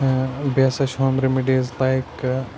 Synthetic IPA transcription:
bjasaʃɔ̃mɾemiɖizlaɪk

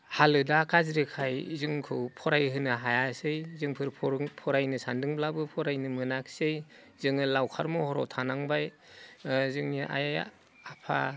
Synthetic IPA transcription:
halɯdakazɾɯkʰajzɯŋkʰɯwpʰɔɾajɦɯnɯɦajasɯjzɯŋpʰɯɾpʰɾpʰɔɾajnɯsandɯŋblabɯpʰɔɾajnɯmɯnaksej | zɯŋɯlawkʰaɾmɔhɔɾɔ̰wtʰanaŋbaj | zɯŋniʔa̰jaj | apʰa̰

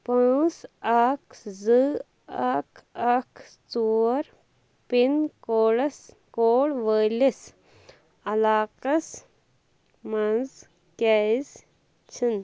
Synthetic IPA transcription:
pɐãːsakʰzɨ | ɐkʰɐkʰ | t͡suːɾ | pinkoːlɐs | koːɽʋəlis | ɐlaːqɐs | mɐnz | kaz | t͡ʃʰin

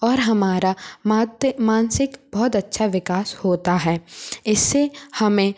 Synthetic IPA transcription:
ɔːɾɦɐmaːɾaad̪mãːnsɪkbɔːʊt̪ɐtːʃʰaʋɪkaːshoːt̪aɦɛːɪsːehɐmẽ

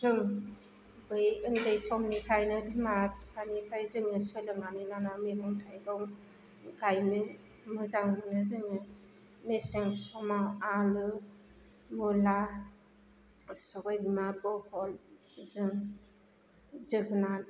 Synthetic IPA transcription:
zɯŋ | bɯjɯndɯjsɔmnikʰajnɯdimapʰanikʰajzɯŋɯsɯlɯŋanɯnanamemɯŋtʰajdɔŋ | ɡajmɯ | mɯzaŋnɯzɯŋɯ | mesɯŋsɔmawalɯ | mula | sɯɡajbimabɔhɔl | zɯŋ | zɯɡɯnan

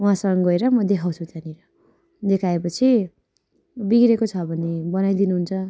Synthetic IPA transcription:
uɦãsʌŋɡʌeɾʌmʌd̪ekʰaw̃t͡sʰut̪aniɾʌ | d̪ekʰaepʌt͡sʰi | biɡɾekot͡sʰʌbʱʌnebʌnajd̪inuɦunt͡sʰʌ

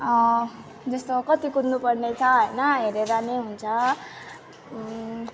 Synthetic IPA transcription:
ʌ | d͡zʌst̪okʌt̪ikud̪nupʌrnet͡sʰʌɦʌjnʌɦeɾeɾaneɦunt͡sʰʌ

